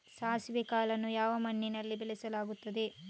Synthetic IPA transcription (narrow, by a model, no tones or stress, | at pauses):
saːsʋikaːlɐnːujaːʋɐmɐɳːinɐlːibelɛsɐlaːɡut̪ːɐd̪e̞